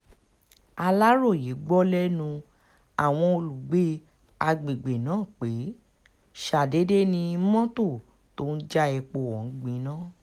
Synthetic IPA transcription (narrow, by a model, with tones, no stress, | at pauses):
a˧la˦ɾo˦˨ji˨˦ɡ͡bɔ˦lɛ˦nũ˧ | a˨w̃ɔ̃˧o˧lu˨ɡ͡be˦ | a˧ɡ͡bi˨ɡ͡be˨nãː˨˦˨k͡pe˨˦ | ʃa˨de˨˦de˦nĩ˧mɔ̃˦to˦˨ | to˦n̩˦d͡ʒa˦ɛ˧k͡po˧˨wɔ̃˨n̩˨˦ɡ͡bĩ˧˦nãː˦˨